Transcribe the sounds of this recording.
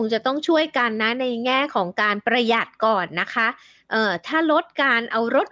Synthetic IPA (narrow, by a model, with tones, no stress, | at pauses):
o˧˦ŋt͡ɕa˨˩t̪ɔ˥˩ŋt͡ɕʰu˥˩əjka˧nːa˦˥na˧jŋɛː˥˩kʰɔː˩˦ŋkaː˧npɾa˧ja˨˩t̪̚kɔː˨˩nːa˦˥kʰa˦˥ | ʔɤː˨˩t̪ʰaː˥˩ɾo˦˥t̪̚kaː˧nʔa˧wɾo˦˥t̪̚